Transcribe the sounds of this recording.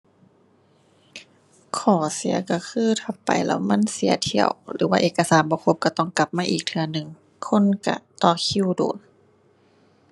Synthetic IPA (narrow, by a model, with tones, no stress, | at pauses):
kʰɔː˨˩si˨˦ɐka˧˩kʰɯː˧˥˨t̪ʰa˧˩ppːa̰˨˩jlɛ̰ː˧wma˧˥˨nsi˨˩˦ɐt̪ʰi˧˩ə̰wlɯ̰ː˩˦waː˧ʔeː˨˩kːa˧saː˨˦nbɔː˧˦kʰo˧˦p̚ka˧˩t̪ɔ˧˥˨ŋka˧˦p̚maː˧˨ʔiː˨˩k̚t̪ʰɯ˧ɐnɯ˨˩ŋ | kʰo˧˥˨nka̰˧˩t̪ɔː˧˩kʰi˧˥˨wdo̰ː˨˩n